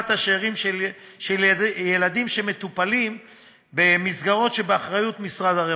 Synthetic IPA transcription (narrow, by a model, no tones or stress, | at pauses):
t̪aʃeʁimʃel | ʃeljelad̪imʃeme̞t̪upalim | bemisɡaʁo̞tʃebeaχʁajut̪misʁad̪aʁe